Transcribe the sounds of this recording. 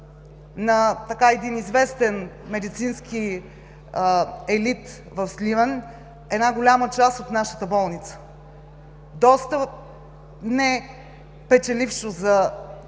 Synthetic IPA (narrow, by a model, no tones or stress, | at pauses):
nɐt̪ɐkaɛd̪inizvɛst̪ɛnmɛd̪it̪sinski | ɛlit̪ | vəfslivən | ɛdnaɡolʲamət͡ʃasot̪naʃə̥t̪əbɔlˠnit̪sə̥ | d̪ɔst̪ə | nɛ | pɛt͡ʃɛlifʃozɐ